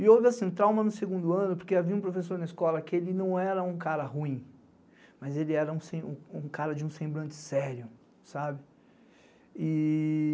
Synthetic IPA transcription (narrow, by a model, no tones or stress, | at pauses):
ɪovɪasĩt̪ɾawmɐnʊseɡũnd̪ʊɐ̃nʊpoɾkeaviɐũpɾofes̬oɾnɐiskɔlɐkɪelɪnɐ̃w̃ɛɾɐũkaɾɐɦuĩ | mɐzelɪɛɾɐũsẽũkaɾɐd͡ʒɪũsẽmbɾɐ̃nt͡ʃɪ̥sɛɾjʊ | sabɪ | ɪ